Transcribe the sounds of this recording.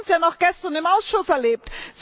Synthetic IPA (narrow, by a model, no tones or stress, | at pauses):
nsjaːnɔχɡ̥ɛstɐnɪmaʊsʃʊsɛɐleːp̚tz̥